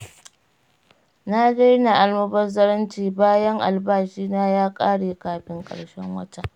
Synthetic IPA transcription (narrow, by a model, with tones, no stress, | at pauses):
na˦da˦jna˨ʔa˨lmɐ˦bɐ˦rzɐ˦ɽɐ˦nt͡ʃiː˨baː˦jɐ˦ŋʔa̰˨lbaː˦ʃiː˦naː˦jaː˦kʼaː˦ɽeː˨kaː˨ɸɪ˦ŋkʼɐ̰˨ɽʃɛ˦ŋwɐ̰˦ta˨ʔ